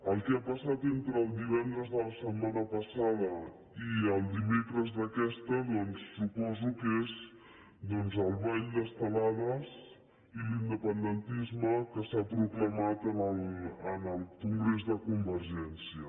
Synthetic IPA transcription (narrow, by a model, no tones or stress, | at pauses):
əlˠkɛapəsat̪ent̪ɾəːlˠd̪iβ̞ɛnd̪ɾəzðələsədmanəpəsaðə | iəlˠd̪imekɾəzðəkɛst̪əðɔnsːupɔzukez | d̪ɔnzəlˠβaʎd̪əst̪əlaðəz | ilind̪əpənd̪ənt̪izməkəsapɾukləmat̪ənələnəlˠkuŋɡɾezðəkumbəɾʒɛnsiə